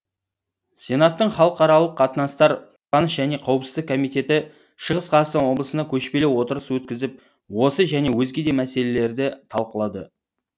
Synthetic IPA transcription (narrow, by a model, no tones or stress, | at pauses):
sʲe̞nɑt̪ːəɴχɑlˠəqɑɾɑlˠəqʰːɑt̪ənɑst̪ɑɾqʰʊpɑnəsʒæne̞qʰɑwəpsəzd̪əkʰomijt̪e̞t̪ɪ | ʃəʁəsqʰɑst̪ɑnwo̞blˠəsənd̪ɑkʲʰɵʃpe̞lewo̞t̪əɾəswɵt̪̚kʲɪzɪp̚ | wo̞səʒæne̞wɵzɡʲe̞d̪e̞mæse̞le̞le̞ɾd̪ɪt̪ʰɑlˠqəlˠɑd̪ə